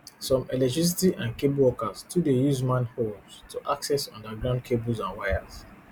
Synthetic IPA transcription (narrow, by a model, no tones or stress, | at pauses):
sɔ̃mɛlɛk̚tɹis̬itiʔãnkebwɔkaztʰudejuzmãnhomstʰoʔaksɛsɔ̰̃ndaɡɹãʊ̃nd̚kʰebozãnwaɪaz̥